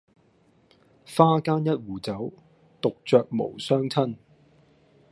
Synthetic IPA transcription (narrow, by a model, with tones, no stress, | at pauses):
faː˥kaː˥njɐ˥t̚wuː˨˩t͡sɐ˨˥w | t̪ʊ˨k̚t͡sœː˨k̚mo̰˨˩wsœː˥ŋt͡sʰɐ˥n